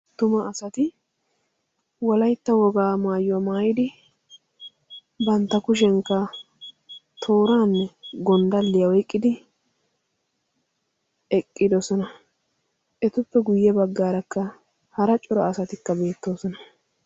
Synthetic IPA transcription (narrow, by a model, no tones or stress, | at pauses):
t̪ʊmɐʔːsɐt̪ɪ | wɔlɐjt̪ːɐwɔɡaːmaːjːʊwɐmaːjɪd̪ɪ | bɐnt̪ːɐkʊʃ̬ɛŋkːɐ | t̪ʰo̞ːɾaːnːɛɡɔnd̪ɐlːɪjɐwɔjkʼːɪd̪ɪ | ɛkʼːɪd̪ɔsɔnɐ | ʔɛt̪ʊpːɛɡʊjːɛbɐɡːaːɾɐkːɐ | hɐɾɐt͡ʃʼʊɾɐːsɐt̪ɪkːɐbe̞ːt̪ːo̞ːsɔnɐ